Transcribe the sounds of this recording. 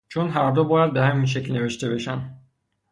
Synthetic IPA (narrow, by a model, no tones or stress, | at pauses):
t͡ʃʰonɦæɾd̪obɒːjæd̪̚behæminʃ̬eclne̞ve̞ʃt̪e̞be̞ʃænd̪